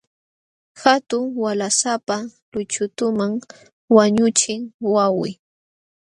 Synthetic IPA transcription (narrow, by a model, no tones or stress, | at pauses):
xat̪ʊŋwalasapalʊt͡ʃʊt̪ʊmaŋ | waɲʊt͡ʃɪŋwawɪ̰